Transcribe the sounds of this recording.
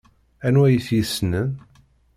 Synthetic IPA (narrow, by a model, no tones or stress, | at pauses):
ænwæjəθjisnən